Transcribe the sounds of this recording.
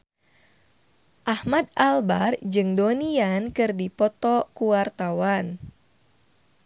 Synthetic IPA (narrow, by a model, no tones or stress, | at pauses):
ʔahmad̪̚albard͡ʒɨŋdoniankɨrdipɔt̪ɔkuwart̪awan